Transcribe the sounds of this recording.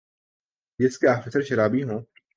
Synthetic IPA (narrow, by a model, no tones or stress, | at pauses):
d͡ʒɪskeaːfɪsəɾʃɐɾaːbiɦõː